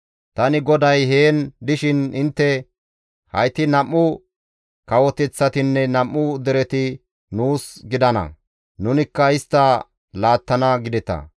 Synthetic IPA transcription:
t̪ɐnɪɡɔd̪ɐjɦeːnd̪ɪʃɪnɪnt̪ːɛ | hɐ̰jt̪ɪnɐmːʊ | kɐwɔt̪ɛt͡sːɐt̪ɪnːɛnɐmːʊd̪ɛɾɛt̪ɪ | nuːsɡɪd̪ɐnɐ̰ | nʊnɪkːɐɪst̪ːɐ | laːt̪ːɐnɐɡɪd̪ɛt̪ɐ̰

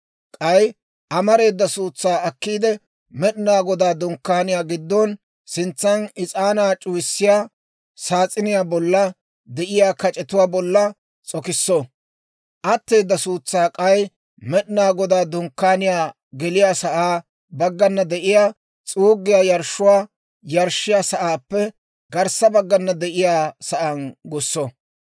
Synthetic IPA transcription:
kʼɐj | ʔɐmɐɾe̞ːd̪ːɐsuːt͡sːaːɐkːiːd̪ɛ | mɛɗɪnaːɡɔd̪aːd̪ɔŋkːaːnɪjaːɡɪd̪ːɔn | sɪnt͡sːɐnɪt͡sʼaːnaːt͡ʃʼʊwɪsːɪjaː | saːt͡sʼɪnɪjaːbɔlːɐ | d̪ɛʔɪjaːkɐt͡ʃʼɛt̪ʊwaːbɔlːɐ | t͡sʼɔkɪsːɔ | ʔɐt̪ːejd̪ːɐsuːt͡sːaːkʼɐj | mɛɗɪnaːɡɔd̪aːd̪ʊŋkːaːnɪjaː | ɡɛlɪjaːsɐʔaː | bɐɡːɐnːɐd̪ɛʔɪjaː | t͡sʼuːɡːɪjaːjɐɾʃʊwaː | jɐɾʃːɪjaːsɐʔaːpːɛ | ɡɐɾsɐbɐɡːɐnːɐd̪ɛʔɪjaːsɐʔɐnɡʊsːɔ

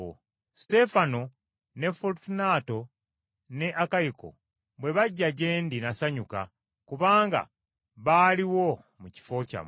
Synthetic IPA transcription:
ste̞fano | ne̞fultunaːto̞ | ne̞ʔakajiko̞̰ | βwe̞βaɟːaɟe̞ːndinasaɲuka̰ | kuβaːŋɡa̰ | βaliwo̞ | muci̥fo̞ca̰m

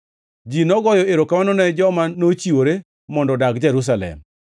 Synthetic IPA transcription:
d͡ʒinɔɡɔjɔeɾokamanɔnɛd͡ʒɔmanot͡ʃiwoɾe | mɔndɔdakd͡ʒɛɾus̬alɛ̰m

